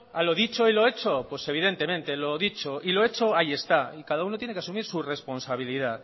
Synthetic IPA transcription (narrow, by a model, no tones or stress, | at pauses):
alo̞ðit͡ʃo̞ilo̞e̞t͡ʃo̞pwese̞β̞iðe̞nt̪e̞mẽ̞nt̪e̞lo̞ðit͡ʃo̞ʔiloe̞t͡ʃo̞aje̞st̪aikaðaunot̪jenekeasumiɾsure̞spo̞nsaβ̞ilið̞að